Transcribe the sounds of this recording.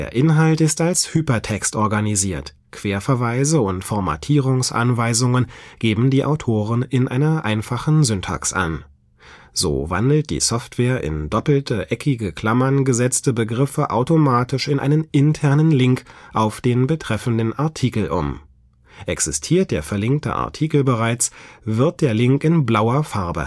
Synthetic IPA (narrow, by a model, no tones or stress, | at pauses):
dḛːɐʔɪnɦaltɪstalshyːpɐtʰɛkstʔɔɐɡaniziːɐt | kv̥eːɐfɛɐvaɪzəʊntfɔɐma̰tʰiːʁ̞ʊŋsʔa̰nvaɪzʊŋənɡ̥eːbm̩diːʔa̰ʊtʰoːʁənɪnʔa̰ɪnɐʔaɪnfaχn̩zʏntʰa̰ːksʔa̰n | z̥o̰ːva̰ndl̩t̚d̥ḭːsɔftv̥ɛːɐʔɪ̰ndɔpl̩tʰəʔɛkʰɪɡəkʰl̥amɐnɡəzɛt͡stəbəɡʁɪfəʔa̰ʊtomaːtɪʃɪnʔa̰ɪnənɪntʰɛɐnənlɪŋkʔaʊfd̥eːnbətʁ̥ɛfn̩dənʔaɐtʰiːkl̩ʔʊ̰m | ʔɛksɪstʰiːɐt̚d̥eːɐfɛɐlɪŋk̚tə̰ʔa̰ɐtʰiːkl̩bəʁaɪt͡sv̥ɪɐt̚d̥eːɐlɪŋkɪnblaʊɐfaɐbə̰